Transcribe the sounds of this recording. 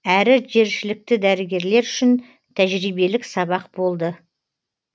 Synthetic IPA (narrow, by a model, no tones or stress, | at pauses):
æɾɪʒe̞ɾʃɪlɪk̚t̪ɪd̪æɾɪɡʲe̞ɾle̞ɾʏʃɪn | t̪ʰæʒɾijbe̞lɪksɑbɑq̚bo̞lˠd̪ə